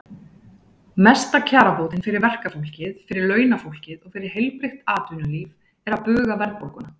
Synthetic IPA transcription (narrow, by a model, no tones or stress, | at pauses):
mɛst̪acʰaːɾapoːwt̪ɪnfɪɾɪɾvɛr̥kafowl̥cɪðfɪɾɪɾlœːɥnafowl̥cɪðɔɣfɪɾɪɾ̥ɦejlpɾɪxt̪aːt̪ʏnʏliːv | ɛɾapʏːɣavɛɾpowkʏna